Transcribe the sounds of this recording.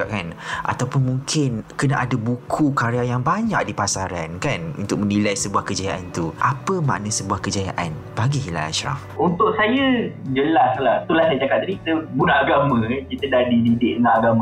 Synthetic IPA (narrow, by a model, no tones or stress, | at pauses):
aʔ̚kanʔa̰t̪awpʊnmũŋkʰɪnkənaʔadabukʰukaɾeajaŋbaɲaʔ̚dipasaɾankanṵnt̪ʊk̚mənilajsəbuahkəd͡ʒajaʔant̪uʔapəmã̰ʔnasəbuahkəd͡ʒajaʔan | baɡiɦila̰la̰ʃɾa̰f | unt̪ʊʔsajad͡ʒəlaslaht̪ulasdat͡ʃakap̪̚adikit̪əbunaʔːɡamə̃kit̪ədahdididɪʔ̚dəŋanaɡamə̃